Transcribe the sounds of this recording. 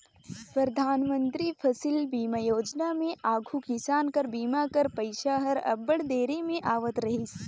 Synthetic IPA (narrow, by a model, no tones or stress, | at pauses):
pɾəd̪ʱaːnmə̃nt̪ɾipʰɐsɪlbiːmajoːd͡ʒnamẽʔaːɡʱukɪsaːnkɐɾbiːmakɐɾpɐɪʃaɦɐɾɐ̰bːəɽd̪eːɾimẽʔaːʋət̪ɾɐɦis